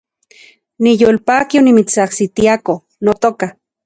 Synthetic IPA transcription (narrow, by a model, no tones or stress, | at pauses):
nijoːlpaːkionimit͡sahsit̪iako | not̪oka